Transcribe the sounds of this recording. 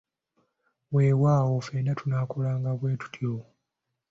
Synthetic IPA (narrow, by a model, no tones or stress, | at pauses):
weːwaːwofeːnatunaːkolaːŋɡaβwe̞ːtu̥tʰjo